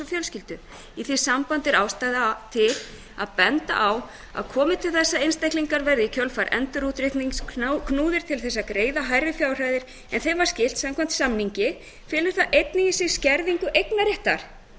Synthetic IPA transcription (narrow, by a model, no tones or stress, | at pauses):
ɔfjœlscɪlt̪ʏ | iθi̥sampant̪ɪɾaːwst̪ajðat̪ʰɪl | a̰ðpɛnt̪a̰ʔaw | a̰ðkʰɔːmɪt̪ʰɪlθɛsːaejnst̪ajhkliŋkaɾvɛɾðɪcʰœlfaɾʔɛ̰nt̪ʏɾut̪ɾɪht̪niŋskʰnuːðɪɾ̥t̪ʰɪlθɛsːakɾeːjðaɦaːjɾɪfjaːwr̥ajðɪɾ̥ | ɛnθejvaɾ̥scɪl̥t̪samkʰam̥t̪samniɲcɪ | fɪːlʏɾ̥θaʔejt̪nɪɣɪsɪɣscɛɾðiŋkʏʔejknaɾɛht̪aɾ̥